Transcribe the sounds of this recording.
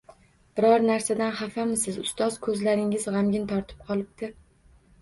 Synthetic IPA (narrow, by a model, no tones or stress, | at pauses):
b̥ɪɾɒɾnaɾsad̪anχafamɪsɪzʊst̪ɒz̥kʰɵzlaɾɪŋɪzʁamɡʲɪnt̪ʰɒɾt̪ʰɪ̥p̚qʰɒlˠɪb̚d̪̥ɪ